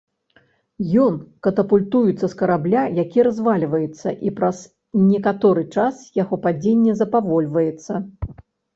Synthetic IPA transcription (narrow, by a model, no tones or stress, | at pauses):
jɔnkɐt̪ɐpulʲt̪ujut̪sːɐskɐɾablʲajakʲiɾazvalʲvɐjɛt̪sːɐ̰ʔipɾɐs | nʲɛkat̪ɔɾɨt͡ʂasjaɣɔpad͡zʲenʲːɛzɐpavɔlʲvɐjɛt̪sːɐ